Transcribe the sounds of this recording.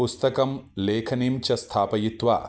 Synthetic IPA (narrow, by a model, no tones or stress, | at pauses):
ust̪ɐkɐmleːkʰɐniːmt͡ʃɐst̪ʰaːpɐjit̪ʋa̰ː